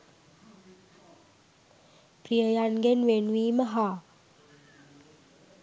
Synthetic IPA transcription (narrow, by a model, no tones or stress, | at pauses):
prijəjanɡenʋenʋiːməɦaː